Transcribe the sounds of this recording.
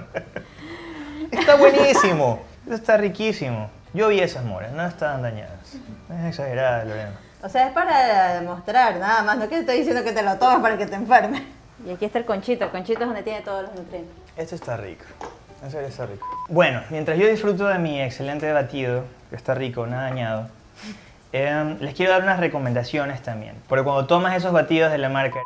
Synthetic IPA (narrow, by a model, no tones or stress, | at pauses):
et̪aβwenisimoest̪oest̪arikisimo | ʝo̞β̞iesasmo̰ɾḛsno̞est̪aβand̪aɲa̰ðasnoeseksaxe̞ɾaðelolema | oseae̞spaɾaemost̪ɾaɾnaðamasnokeest̪aðis̬jend̪o̞ket̪elot̪o̞maspaɾaket̪eɱfeɾme | iakiest̪aelkont͡ʃit̪oelko̞nt͡ʃit̪oðond̪et̪jenet̪o̞ð̞oloznuk̪ɾjent̪e | est̪oest̪arḭko̥ | esoest̪arikobwe̞no̞mjent̪ɾasʝo̞ðisfɾut̪oðe̞miekse̞le̞nt̪e̞βat̪iðokest̪arikonaðaːɲað̞o | emle̞skjeɾoðaɾunasreko̞mẽnd̪asjo̞ne̞st̪ambjḛnpoɾkekwand̪ot̪o̞mase̞s̬o̞zβat̪iðo̞zð̞e̞lamaɾka